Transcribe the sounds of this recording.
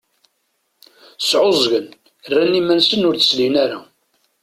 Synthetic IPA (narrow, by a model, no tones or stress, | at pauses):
sʕozˤɣən | rːænːimænsənːʊɾθə̥slinæɾa